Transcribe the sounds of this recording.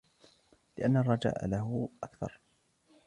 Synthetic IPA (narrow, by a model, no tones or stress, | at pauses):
lɪʔanːarˤːɑd͡ʒa̰ːʔa̰laɦʊʔakθɑ̰ɾˤ